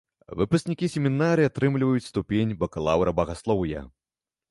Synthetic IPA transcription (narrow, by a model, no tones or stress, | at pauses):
vɨ̰pusknʲikʲisʲemʲinaɾɨjat̪ɾɨmlʲivɐjut͡sʲst̪upʲenʲbɐkɐlˠawɾɐbɐɣaslˠɔwja̰